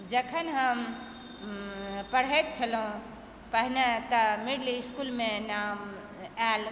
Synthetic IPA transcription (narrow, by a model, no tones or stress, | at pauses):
d͡ʒəkʰənɦəm | pəɽ̤ɛt̪̚t͡ʃʰəlɦũ | pəɦnet̪əmiɽliiskulmenam | al